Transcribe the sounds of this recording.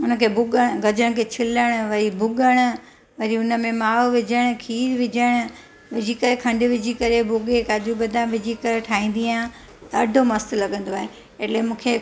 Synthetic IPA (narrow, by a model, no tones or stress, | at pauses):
ʊnəkʰeːbʱʊɠəɽ̃ɡʱɐd͡ʑəɽ̃kʰet͡ɕʰɪləɽ̃ʊ̆ʋɐɾibʱʊɠəɽ̃ʊ̆ | ʋɐɾiʊnəmẽmaːʋʋɪd͡ʑʱəɽ̃ʊ̆kʰiːɾʋɪd͡ʑʱəɽ̃ʊ̆ | ʋɪd͡ʑʱikɐɾekʰɐ̃ɳɖʋɪd͡ʑʱikɐɾebʱʊɠekaːd͡ʑubɐd̪ʱãʋɪd͡ʑʱikɐɾeʈʰaːɦĩːn̆d̪iã | t̪ɐɖʱomɐst̪lɐɠə̃nd̪oaːɦe | eʈlemũːkʰe